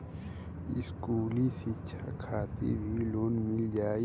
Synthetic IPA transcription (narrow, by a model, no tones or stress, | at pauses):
ɪ̰skuːlisit͡ʃʰakʰaːt̪ḛbʱiloːnmɪld͡ʒaːi